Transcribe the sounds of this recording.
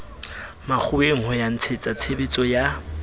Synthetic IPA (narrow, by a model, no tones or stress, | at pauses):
mak͡xʰʊeŋ̩ɦɔjan̩t͡sʰet͡sʼat͡sʰebet͡sʼɔja